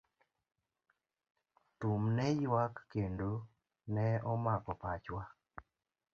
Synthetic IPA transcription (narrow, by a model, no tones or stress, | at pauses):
t̪umnɛjwakːendo | nɛɔmakɔpat͡ʃwa